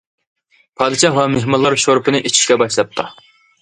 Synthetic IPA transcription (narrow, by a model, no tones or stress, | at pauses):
pʰɑːd̪ɨʃɑwɑmeɦmɑlˠːɑɾʃoɾpɨnɨʔet͡ʃʰi̥ʃkʲɛbɑʃlˠɑp̚t̪ʰɑ